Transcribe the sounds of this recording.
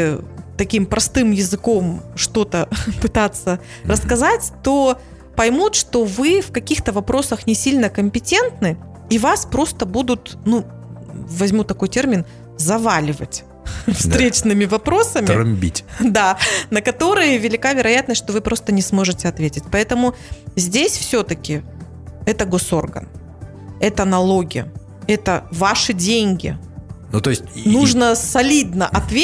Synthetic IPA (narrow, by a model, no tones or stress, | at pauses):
t̪ɐkʲimpɾʔɐst̪ɨmjɪzɨko̞mʂt̪o̞t̪əpɨt̪at̪sːə | ɾəskɐzatʲt̪o̞ | pɐjmut̪ʂt̪o̞vɨfkɐkʲixt̪əvɐpɾo̞səxnʲɪsʲilʲnəkəmʲpʲɪtʲe̞nt̪nɨ | ivaspɾo̞st̪əbud̪ʊt̪nu | vɐzʲmʲut̪ɐko̞jtʲe̞rmʲɪn | zɐvalʲɪvə̰tʲ | fst̪ɾʲet͡ɕnɨmʲɪvɐpɾo̞səmʲɪɐmʲbʲḭtʲd̪anəkɐt̪o̞ɾɨjəvʲɪlʲɪkavʲɪɾɐjat̪nəsʲʂt̪o̞vɨpɾo̞st̪ənʲɪsmo̞ʐɨtʲɪɐt̪vʲetʲɪtʲpɐɛt̪əmʊ | zʲdʲesʲfsʲot̪əkʲɪ | ɛt̪əɡo̞so̞̰rɡə̰n | ɛt̪əɐnɐlˠo̞ɡʲɪjə̰ | ɛt̪əvaʂɨdʲenʲɡʲɪ̰ | nut̪osʲtʲnuʐnəsɐlʲid̪nəʔɐt̪vʲe